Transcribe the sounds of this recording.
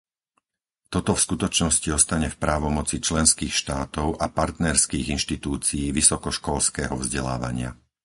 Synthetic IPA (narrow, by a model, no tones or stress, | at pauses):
t̪ɔt̪ɔfskut̪ɔt͡ʃnɔsciɔst̪aɲɛfpɾaːʋɔmɔt͡sit͡ʃlɛnskiːxʃt̪aːt̪ɔʊʔapaɾt̪nɛɾskiːɣinʃt̪it̪uːt͡siːʋisɔkɔʃkɔlskɛːɦɔvzɟɛla̰ːʋa̰ɲɪa̰